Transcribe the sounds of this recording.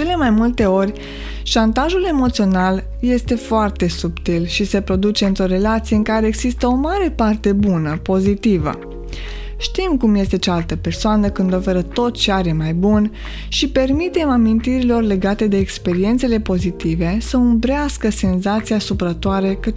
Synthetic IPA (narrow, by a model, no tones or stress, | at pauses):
e̞le̞majmult̪e̞o̞rʲ | ʃant̪aʒule̞mo̞t̪sio̞nal | je̞st̪e̞foart̪e̞supt̪ilʃise̞pɾo̞d̪ut͡ʃe̞ɨnt̪ɾo̞ɾe̞lat̪sije̞ɨŋkaɾeːɡz̥ist̪əo̞maɾe̞part̪e̞bunəpo̞zit̪ivə̰ | ʃt̪imkumje̞st̪e̞t͡ʃaalt̪əpe̞rsoanəkɨnd̪o̞feɾət̪o̞t̪t͡ʃeaɾe̞majbun | ʃipe̞rmit̪e̞mamint̪iɾilo̞rle̞ɡat̪e̞d̪e̞ːkspe̞ɾie̞nt̪se̞le̞po̞zit̪ive̞səumbɾeaskəse̞nzat̪sijasupɾət̪oaɾe̞kə